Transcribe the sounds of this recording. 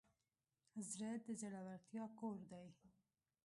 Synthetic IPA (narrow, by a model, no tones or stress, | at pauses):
azɾat̪̚d̪əzaɽawaɾt̪jɑkoɾd̪aj